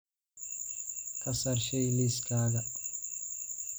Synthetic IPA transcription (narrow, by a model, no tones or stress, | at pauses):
kʰɐsɐɾʃɛjliskaːɡɐ